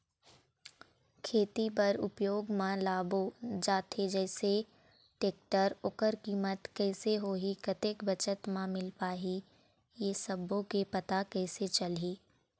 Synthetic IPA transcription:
kʰeːt̪ipɐɾʊpjoːɡmãlaːbod͡ʒaːt̪ʰed͡ʒɛːse | ʈeːk̚ʈəɾʊkəɾkiːmət̪kɛːseɦoːɦikɐt̪eːkbɐt͡ʃət̪mãmɪlpaːɦi | jesɐbõkepɐt̪akɛːset͡ʃɐlɦiː

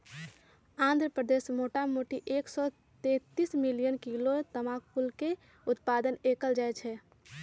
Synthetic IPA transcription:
ãnd̪ʱɾəpɾəd̪esmoʈamoʈiʔeksɔ | t̪ẽt̪ismilijənkilot̪əmãk̚pulke | ʊt̪pad̪ənekəld͡ʒaɛt͡ʃʰɛ

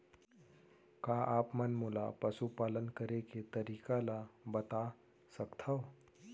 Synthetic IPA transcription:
kaʔaːpmənmʊlapəsupaːlənkəɾeket̪əɾiːkalabət̪a | səkt̪ʰa

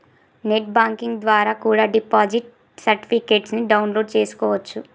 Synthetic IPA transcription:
neʈ̚baːŋkiŋɡd̪ʋaːɾaːkuːɽaːɖipaːd͡ʒiʈ̚ | sɐɾʈi̥pikeːʈsniɖɐwnloːɖt͡ʃe̞ːsu̥kɔːʋɐt͡ʃːu

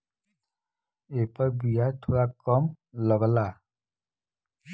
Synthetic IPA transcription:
epɔɹbijat̪ʰoɹakɔm | lɔɡɔla

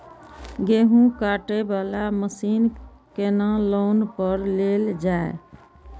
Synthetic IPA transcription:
ɡeːɦũkaːʈebaːlaməsiːn | kenãloːnpəɾleːld͡ʒaḛ

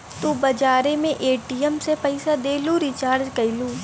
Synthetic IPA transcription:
t̪ubɐd͡ʒaːɾemẽʔeːʈijəmsepɐɪsad̪eːluɾit͡ʃaːɾd͡ʒkɐiluː

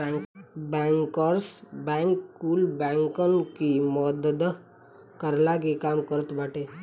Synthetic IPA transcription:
bɛ̃ːŋkəɾsbɛ̃ŋkkːuːlbɛ̃ŋkənkimɔd̪əd̪ | kəɾlak̬ikaːmkəɾət̪baːʈe

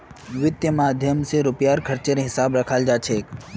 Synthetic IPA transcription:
ʋɪt̪jəmaːd̪ʱjəmseɾʊpjaɾkʰəɾt͡ʃeneɦɪsabɾəkʰald͡ʒat͡ʃʰek

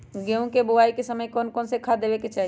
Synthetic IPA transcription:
ɡeũkebʊaːikesəməjkɔːnkɔːnsekʰad̪eːʋeket͡ʃaːɦ

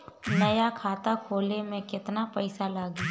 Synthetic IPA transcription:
nɐjakʰaːt̪akʰoːlemẽkɪt̪napɐɪsalaːɡe

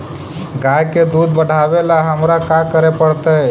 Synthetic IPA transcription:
ɡajked̪ud̪bəɽ̤ʱaʋelaɦəmɾakakəɾepəɽt̪əe

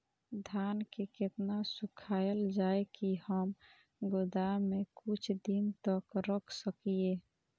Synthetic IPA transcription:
d̪ʱankeket̪nasukʰajld͡ʒaekihəm | ɡʊd̪amekut͡ʃʰd̪int̪əkɾəkʰsəkie

